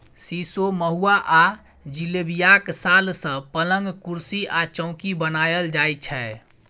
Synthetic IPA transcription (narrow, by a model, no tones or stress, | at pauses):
sisoməɦuaʔa | d͡ʒilebijaksalsə̃pələŋɡkuɾsiʔat͡ʃə̃ʊ̃kibənajəld͡ʒajt͡ʃʰɛ